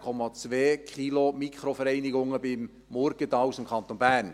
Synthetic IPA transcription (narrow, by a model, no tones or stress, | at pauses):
kʰɔmɑt͡sveːkʰilomikʰχɾofɛɾɛɪnɪɡʊŋəbɪmː | ɔɾɡ̥ət̪ɑwsɪmkʰɑnt̪onbæːrn